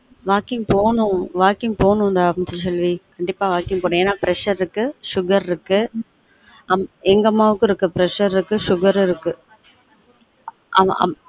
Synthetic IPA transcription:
ʋaːkɪŋɡpoːnʊ̃ʋaːkɪŋ̚poːnʊ̃nd̪amt̪ɪt͡ʃɐlʋikɐɳɖɪpːaːʋaːkɪ̃ŋɡ̚poːnʊ̃eːnːaːpɾɛʂɐɾɪɾɯkːɯʂʊɣɐɾɾɯkːɯ | ɐmɛŋɡɐmːaːʋɯkːɯ̃ɪɾɯkːɯpɪɾɛʂɐɾɪɾɯkːɯʂʊɣɐɾɪɾɯkːɯ | ɐ̰

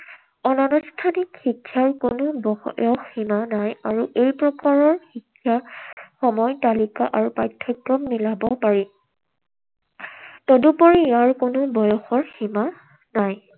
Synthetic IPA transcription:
ɔnanustʰanikxikʰːjaɹkonʊbɔjɔxːimanajaɹuʔejpɹɔkaɹɔɹxikʰːjaxɔmɔjtalikaʔaɹupajtʰːɔkɹɔmmilabɔpaɹi | tɔdupɔɹijaɹkʊnʊbɔjɔxɔɹxima | naj

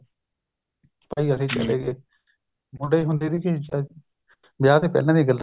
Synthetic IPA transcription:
paːiːəsẽːt͡ʃə̰leːɡeː | mʊɖeiɦʊ̃nd̪iːd̪iːkɪ | bɪjaːt̪eːpɛ̰ːlãːd̪iːɡəl

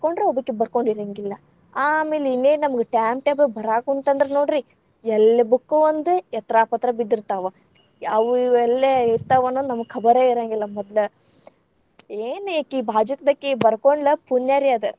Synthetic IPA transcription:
koɳɖɾeobɐkːebɐɾkoɳɖiɾɐŋɡilːɐ | aːme̞ːlinːeːnɐmɐɡeʈaːmpʈeːbebɐɾaːkunt̪ɐnd̪ɐɾenoːɽɾi | ɛlːɐbukːuʋɐnd̪uɛt̪ɾaːpɐt̪ːɾɐbid̪ːiɾt̪aːʋɐ | ɐʋuɛlːeiɾt̪aːʋɐnːoːd̪unɐmɐɡkʰɐbɐɾeiɾɐŋɡilːɐmɔd̪lɐ | eːnekːiːbʱaːd͡ʒɐkɐd̪ɐkːebɐɾkoɳɖlɐpunjaːɾiɐd̪ɨ

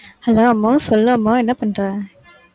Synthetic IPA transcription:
hɐloːɐmːõːsɔlːɐmːoɛnːɐpɐɳɾãː

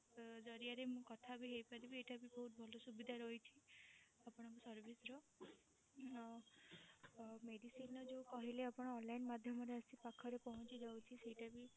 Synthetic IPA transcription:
d͡ʒɔɾiaɾemũkɔt̪ʰabiɦejpaɾibieʈabibɔɦut̪̚bʱɔlɔsubid̪ʱaɾɔɦjt͡ʃʰi | apɔɽ̃ɔ̃kusɔɾbʱisɾɔ | meɽisinɔd͡ʒeũkɔɦileapɔɽ̃ɔːnlainmad̪ʱjɔmɔɾeəsipakʰɔɾepɔɦɔ̃t͡ʃid͡ʒawt͡ʃʰisejʈabi

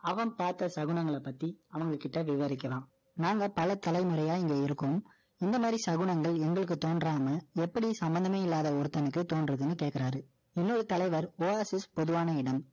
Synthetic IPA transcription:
ɐʋɐnpaːɾt̪ɐsɐɣɯɳɐŋɡɐɭɐpːɐt̪ːiɐʋɐŋɡɐkɪʈːɐʋɪʋɐɾɪkːɐlãːm | naːŋɡɐpɐlɐt̪ːɐlɐɪmɯɾɐjaːɪŋɡeːɪɾɯkːɯm | ɪnd̪ɐmaːd̪ɾisɐɣɯɳɐŋɡɐɭɛŋɡɐɭɯk̬ːɯt̪ːoːnɖraːmɐɛpːɐɽisɐmbɐnd̪ɐmeːɪlːaːðɐɔɾɯt̪ːɐnɯkːɯt̪oːnɖrɐðɯnːɯkeːʈ̚kɪɾaːɾɯ | ɪnːoɾɯt̪ɐlɐɪʋɐɾoːesɛspɔðɯʋaːnɐɪɽɐm

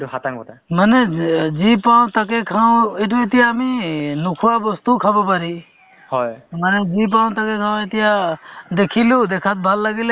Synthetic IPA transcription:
ɦat̪aŋkɔtʰamanezipaw̃t̪akekʰaw̃etuet̪̬ijaːminukʰuwabɔst̪ukʰabɔpaɾi | hɔjmanezip̬aw̃t̪akekʰãw̃et̪ijad̪ekʰilud̪ekʰat̪̚bʱalːaɡile

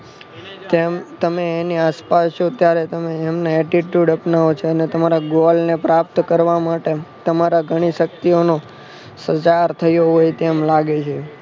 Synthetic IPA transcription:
t̪emt̪əmeːniaspast͡ʃot̪jaɾet̪əmeːmnaɛʈiʈjuɖəpnaot͡ʃʰeənet̪əmaɾaɡolnepɾap̚t̪kəɾʋamaʈet̪əmaɾaɡʱəɽ̃iʃək̚t̪iono | sət͡ʃaɾt̪ʰəjoɦojt̪emlaɡet͡ʃʰe

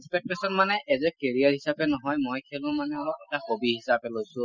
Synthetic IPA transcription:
ispɛk̚tesɔnmanɛɛzɛkeɹiaɹɦisapɛnɔɦɔjmojkʰelʊ̃manɛɔlɔkɛtaxobiɦisapɛlojsʊ̃

